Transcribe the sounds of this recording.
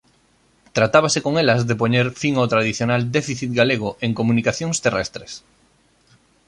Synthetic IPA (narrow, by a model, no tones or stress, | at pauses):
t̪ɾat̪aβasekoŋelɐzðepoɲeɾfiŋawt̪ɾað̞iθjonald̪efiθit̪̚ɡaleɣ̞oʔeŋkomunikaθjoŋst̪erɛ̰st̪ɾes